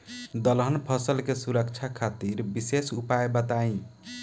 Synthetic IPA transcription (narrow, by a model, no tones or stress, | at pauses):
d̪əlɦənpʰəsəlkesuɾək̚t͡ʃʰakʰat̪iɾbisesupajbət̪aĩ